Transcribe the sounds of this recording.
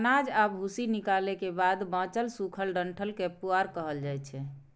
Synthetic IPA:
nad͡ʒabʱusinikalekebad̪bãt͡ʃəlsukʰəlɖəɳʈʰəlkepuaɾkəɦəld͡ʒajt͡ʃʰɛ

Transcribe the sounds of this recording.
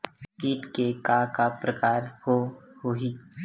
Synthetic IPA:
skiːʈkekakapɾəkaːɾho | hoɦiː

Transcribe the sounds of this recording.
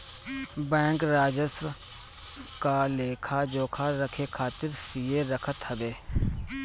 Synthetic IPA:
bɛ̃ːŋkɾaːd͡ʒəsw | kaleːkʰad͡ʒoːkʰaɾəkʰekʰaːt̪ɪɾsijeɾəkʰət̪ɦəbeː

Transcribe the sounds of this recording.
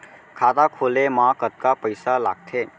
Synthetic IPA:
kʰat̪akʰolemãkət̪̚kapəɪsala̰ɡ̚t̪ʰe

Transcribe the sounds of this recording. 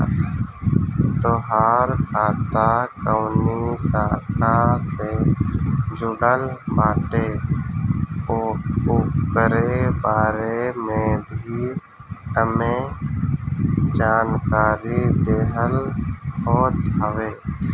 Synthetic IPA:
t̪oːɦaːɾkʰaːt̪ʰakəʊnisaːkase | d͡ʒʊɽəlbaːʈe | ʊkəɾebaːɾemẽbʱi | əme | d͡ʒaːnkaːɾid̪eːɦəlbɔːt̪ɦəʋeː

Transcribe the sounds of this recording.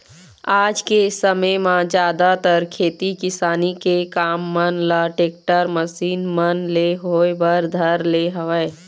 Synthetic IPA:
aːd͡ʒkesəməjmãd͡ʒjaːd̪at̪əɾkʰeːt̪ikɪsaːnikekaːmːənləʈeːk̚ʈəɾməsiːnmənleɦoebəɾd̪ʱəɾleɦəʋə

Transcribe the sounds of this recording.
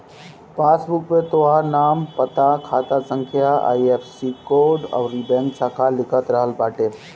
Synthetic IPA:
paːsbʊkpẽt̪oanaːmpət̪akʰaːt̪asə̃ŋkʰjaa̰ːiepsikoːɾɖa̰ʋɾibɛ̃ŋksaːkʰalɪkʰət̪ɾəɦəlbaːʈeː

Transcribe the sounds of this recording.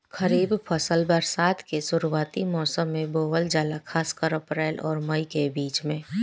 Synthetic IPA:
kəɾiːbpʰəsəlbəɾsaːt̪ʰkesʊɾuwaːt̪imɔːsəmːẽboːʋəld͡ʒaːlakʰaːskəɾəpɾɛːlʔɔːɾməikebiːt͡ʃmẽː

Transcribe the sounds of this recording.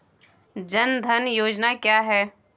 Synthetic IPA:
d͡ʒɐnd̪ʱɐnjoːd͡ʒnakjaːɦɛː

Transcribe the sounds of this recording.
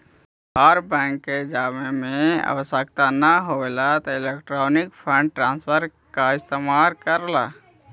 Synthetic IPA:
ɦaɾbɛ̃ːŋkːed͡ʒaːmemẽə̰ʋəsək̚t̪anəɦoelat̪ɔɪlekʈɾoːnɪkpʰə̃ɳɖ̚ʈɾãːnspʰəɾ | kaɪst̪eːmaːlkəɾla

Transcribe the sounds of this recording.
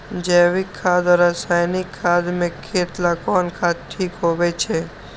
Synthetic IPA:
d͡ʒeʋikʰːad̪aɾasajnikʰːad̪mẽkʰːeʈ̪lãkɔnkʰad̪̚ʈʰikɦoʋet͡ʃʰe

